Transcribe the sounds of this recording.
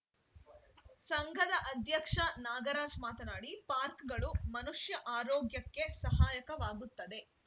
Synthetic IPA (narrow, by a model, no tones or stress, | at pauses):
sɐŋɡʱɐd̪ɐʔɐd̪ʱjɐkʂɐnaːɡɐɾaːd͡ʒmaːt̪ɐnaːɽipaːɾkɡɐɭumɐnuʂjɐʔaːɾoːɡjɐkːe̞sɐɦaːjɐkɐʋaːɡut̪ːɐd̪e̞